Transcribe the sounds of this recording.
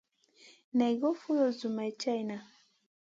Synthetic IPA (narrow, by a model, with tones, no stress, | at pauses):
na˨jɡɔ˦fu˦lɔ˨zu˨ma˨jt͡ʃa˦jna˨